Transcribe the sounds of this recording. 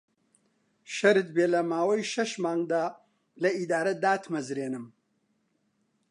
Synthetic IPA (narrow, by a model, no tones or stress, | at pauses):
ʃɐɾɨt̪beːlɐmaːwɐjʃɐʃmaːŋɡd̪aː | lɐid̪aːɾɐd̪aːt̪ʰmɐzɾeːnɨm